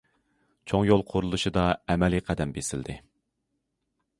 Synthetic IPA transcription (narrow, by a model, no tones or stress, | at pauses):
t͡ʃʰoŋjolˠqʰoɾulˠuʃɨd̪ɑɛmɛliqʰæd̪ɛmbesɪld̪ɪ̰